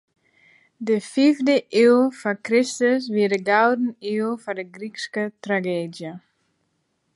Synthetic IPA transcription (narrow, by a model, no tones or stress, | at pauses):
dəfivdəʔilfɔkrɪstəsʋiədəɡawdn̩ilˠfɔdəɡrikskətraɡeːdjə